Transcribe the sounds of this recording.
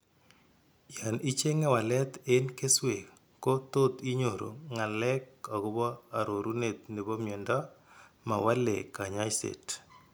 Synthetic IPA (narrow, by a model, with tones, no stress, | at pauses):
ja˨ni˦t͡ʃe˦ŋɛ˦wa˨lɛ˦t̪enke˦swe˨ | ko˦t̪o˦t̪i˦ɲo˨ɾo̰˨ŋa˨lɛ˦ka˨ɡʊ˦bɔ˦a˨ɾo˨ɾu˦ne˨t̪̚ne˨bɔ˦mjɛ˨ndɔ˦ma˨wa˦lḛ˨ka˨ɲa˦jsḛ˨t